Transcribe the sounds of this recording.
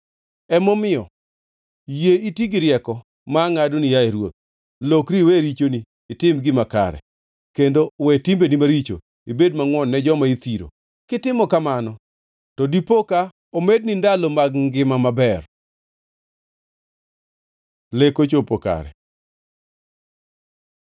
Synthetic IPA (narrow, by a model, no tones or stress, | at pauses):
ɛmɔmɪjɔ̰ | jeitiɡiɾɪjɛkɔ | maŋadonijaeɾwo̰t̪̚ | lokɾiweɾit͡ʃoniːtɪmɡɪmaka̰ɾɛ̰ | kendowɛtimbenimaɾit͡ʃo̰ | ibedmaŋwɔnːɛd͡ʒɔmait̪iɾo̰ | kɪtɪmɔkamanɔ | tɔdipoka | omed̚nindalomaɡŋɡɪmamabɛr | lekot͡ʃopoka̰ɾɛ̰